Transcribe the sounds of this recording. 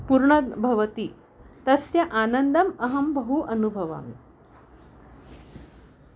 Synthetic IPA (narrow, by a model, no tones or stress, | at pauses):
puɾɳəbʱɐʋət̪i | t̪ɐsjɐʔanənd̪ɐmɐɦɐmbəɦuʔənubʱɐʋa̰m